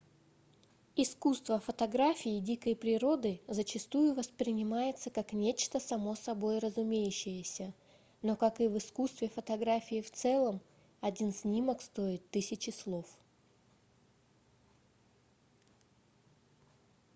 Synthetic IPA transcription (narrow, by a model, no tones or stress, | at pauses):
ɪskust̪vəfət̪ɐɡɾafʲɪjːdʲikəjpɾʲɪɾo̞d̪ɨzət͡ɕɪst̪ujʊvəspɾʲɪnʲɪmajɪt̪səkaknʲet͡ɕt̪əsɐmo̞sɐbo̞jrəzʊmʲejʉɕːɪjəsʲə | nokakɨvɨskust̪vʲɪfət̪ɐɡɾafʲɪːft̪sɛlˠəm | ɐdʲinsʲnʲiməkst̪o̞ɪt̪ːɨsʲɪt͡ɕɪslˠo̞f